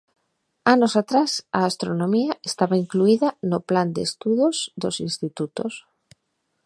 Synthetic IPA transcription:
anosat̪ɾasaːst̪ɾonõmiaest̪aβaiŋkluiðanopland̪ḛst̪uðozd̪osĩnst̪it̪ut̪os

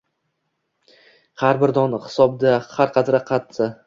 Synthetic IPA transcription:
haɾbɪɾd̪ɒnχɪ̥sɒb̚d̪ahaɾqʰɑt̪ʰɾaqʰat̪ʰːɪ

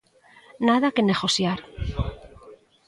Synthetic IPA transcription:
naðakeneɣosjaɾ

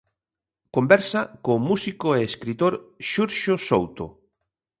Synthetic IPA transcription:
kombɛɾsɐkomusikoeːskɾit̪oɾʃuɾʃosowt̪o̰

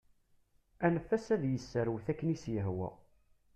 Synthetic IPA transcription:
ænəfːæsæðjəsːəɾwθækːənisjəɦwæ̰

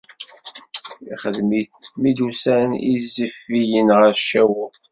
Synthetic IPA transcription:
iχəðmiθmid̪usænḭzːəfːijənʁəɾʃæwə

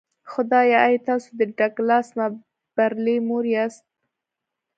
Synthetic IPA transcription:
xʊd̪ɑjaajt̪ɑsod̪əɖaɡlɑsma | b̥aɾlemoɾiɑst̪̚

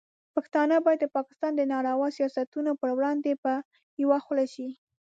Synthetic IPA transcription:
paxt̪ɑnəbɑjad̪̚d̪əpɑkɪ̥st̪ɑnd̪ənɑɽawɑsijɑsat̪unopəɾwɽɑnd̪epə | jawaxlaʃi

